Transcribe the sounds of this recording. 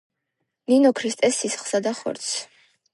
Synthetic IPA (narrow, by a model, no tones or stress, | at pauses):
ninɔkʰɾist̪ʼɛsːisχlˠsad̪aχɔ̰ɾt̪sʰ